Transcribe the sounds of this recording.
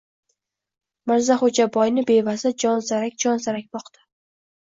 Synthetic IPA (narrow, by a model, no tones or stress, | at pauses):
maɾzaχod͡ʒabɒjnɪbevazad͡ʒɒnzaɾakʲd͡ʒɒnzaɾak̚ʲbɒqt̪ʰḁ